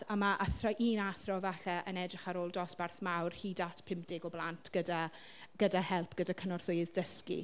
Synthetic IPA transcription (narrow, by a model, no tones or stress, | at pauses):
amaʔaθrɔʔiːnaθrɔvaɬɛʔənɛdrɪχaɾoːlˠdɔsb̥arθmawrhiːdatʰpʰɪmpd̥ɪɡɔblˠantʰɡ̥əda | ɡ̥ədahɛlˠpʰɡ̥ədakʰənɔrθʊɨðdəskḭ